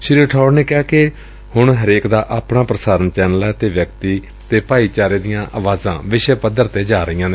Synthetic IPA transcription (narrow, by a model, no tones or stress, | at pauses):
ʃɪɾʈʰɔːɖneːkaːkɪ | hʊɳɦəɾeːkd̪aːʔaːpɽaːpɾəsaːɾənt͡ʃɛːnəlɛːt̪eːʋjəkt̪iː | t̪eːpaːiːt͡ʃaːɾeːd̪ɪjãːʔaːʋaːzã̰ːʋɪʃəpəd̪əɾt̪eːd͡ʒaːɾəiːãːne